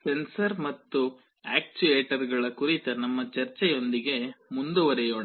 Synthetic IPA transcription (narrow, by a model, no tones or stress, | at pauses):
sensɐɾmɐt̪ːu | aːk̚t͡ʃueːʈɐɾɡɐɭɐkuɾit̪ɐnɐmːɐt͡ʃɐɾt͡ʃɛjo̞nd̪iɡe̞mund̪uʋɐɾɛjoːɳ